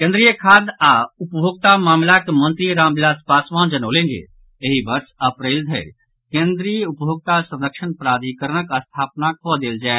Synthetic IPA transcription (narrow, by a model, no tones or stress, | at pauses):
kẽnd̪ɾijəkʰaːd̪aʊpbʱoːɡ̚t̪amaːmlakemə̃nt̪ɾiɾãːmbɪlaːspaːsʋãːnd͡ʒɐnoːlẽːnɡḛ | eɦibɐɾsɐpɾeːld̪ʱəɾ | kẽːnd̪ɾijəʊpbʱoːɡ̚t̪asɐ̃nd̪əkʃənpɾaːd̪ʱikəɾənəkəst̪ʰaːpnakod̪eːld͡ʒaːe